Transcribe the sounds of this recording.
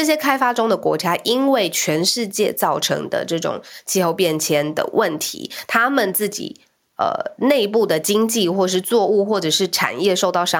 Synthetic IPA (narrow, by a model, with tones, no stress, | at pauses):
ʈ͡ʂɤ˥˩ɕ̬jɛ˥kʰa˥ɪfa˥ʈ͡ʂʊ˥ŋd̪ə˨kwɔ̰˧˥t͡ɕja˥ʔi˥nwe˥˩ɪt͡ɕʰɥɛ˧˥nʂɻ̩˥˧t͡ɕjɛ˥˧t͡sɑ˥˩ʊʈ͡ʂʰɤ̰˧˥ŋd̪ə̰˧ʈ͡ʂɤ˥˩ʈ͡ʂʊ̰˨˩ŋt͡ɕʰi˥˧xo˥˧ʊpjɛ˥˩nt͡ɕʰjɛ˥nd̪ə̰˩wʔə˥˩nt̪ʰḭ˧˥t̪ʰa˥mə˨nt͡sɹ̩˥˩t͡ɕḭ˨˩ | ə̰˧˩ne˥˧ɪpu˥˩d̪ə˩t͡ɕi˥ŋt͡ɕi˥˧xwɔ˥˩ʂ̬ɻ̩˥˧t͡swɔ˥˧u˥˧xwɔ˥˩ʈ͡ʂɤ˨˩ʂɻ̩˥˩ʈ͡ʂʰa̰˨˩njɛ˥˧ʂo˥˧ʊt̪ɑ˥˩ʊʂɑ˥